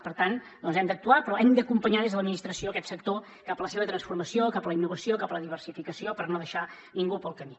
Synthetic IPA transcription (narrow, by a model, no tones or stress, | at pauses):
pəɾt̪an | d̪ɔnzɛmd̪ək̚t̪uapɾɔɛmd̪əkumpəɲaðezðələd̪minist̪ɾəsioəkɛt̪səkt̪o | kapələseβət̪ɾənsfuɾməsijokapələinːuβəsijokapələðiβərsifikəsiopərnoðəʃa | niŋɡupəlˠkəmi